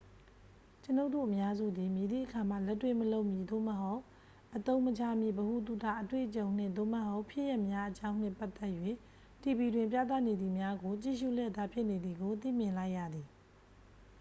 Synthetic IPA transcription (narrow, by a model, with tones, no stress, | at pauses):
t͡ɕəno˦ʊʔt̪ṵ˦˨ʔəmja˦zṵ˦˨d̪i˨mji˨d̪ḭ˦˨ʔəkʰa˨m̥a̰˦˨lɛ˦tːwe˦˨məlo˦ʊʔmji˨d̪o̰˦˨mə˨ɦo˦ʊʔ | ʔət̪õ˦ʊ̃mət͡ɕʰa˦mjḭ˦˨bəhu˨t̪̬u˨ta˦˨ʔətwḛ˦˨ʔət͡ɕõ˨ʊ̃n̥ɪ̰̃˦˨nd̪o̰˦˨mə˦˨ɦo˦ʊʔpʰjɪ˦ʔjɛ˦ʔmja˦ʔət͡ɕã˦ʊ̃n̥nɪ̰̃˦˨pa˦ʔt̪ɛ˦ʔjwe˦˨ | ti˨bi˨dwɪ̃˨mp̬ja̰˦˨t̪a˦˨ne˨d̪ði˨mja˦ɡo˨t͡ɕḭ˦˨ʃṵ˦˨ljɛ˦˨t̪ːa˨pʰjɪ˦ʔne˨d̪ði˨ɡo˨t̪ḭ˦˨mjɪ̃˨nla˦ɪʔja̰˦˨d̪i˨